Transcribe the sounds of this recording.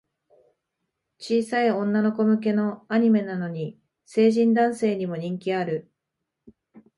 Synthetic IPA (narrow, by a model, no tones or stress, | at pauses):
t͡ɕiːsaiõ̞nːano̞ko̞mɯ̟k̬e̞no̞aɲ̟ime̞nano̞ɲ̟i | se̞ːʑĩnd̪ãɰ̃se̞ːɲ̟imo̞ɲ̟ĩŋkʲiaɾɯ̟